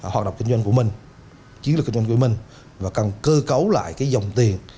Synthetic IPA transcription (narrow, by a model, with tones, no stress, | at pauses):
ɦwaː˨˩ɗə̰˧˨ŋ͡mki˧ŋzwa˧ŋ̟ku˧˩mï˨˩ŋ̟ | t͡ɕi˨˦ənlk̚i˧ŋzwa˧ŋku˧˩əmï˨˩ŋ̟ | vaː˨˩ka˨˩nkəː˧kə˨˦wla̰ː˧˨jkaː˨˦jzə˨˩wŋ͡mt̪i˨˩ən